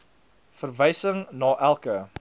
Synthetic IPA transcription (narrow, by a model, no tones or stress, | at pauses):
fərvəjsəŋnɑːʔælˠkə